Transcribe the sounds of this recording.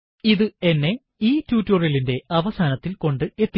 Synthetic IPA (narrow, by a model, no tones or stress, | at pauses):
iðɨe̞nːe̞ | iːtjuːtːorjɐlinde̞ɐʋɐsaːnɐt̪ːilko̞ɳɖɨe̞t̪ːi